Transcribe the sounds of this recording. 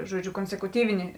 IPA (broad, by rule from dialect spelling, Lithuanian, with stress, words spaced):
ʒuɔˈd͡ʒʲʊ koːnʲsʲɛkʊˈtʲiːʋʲɪnʲɪ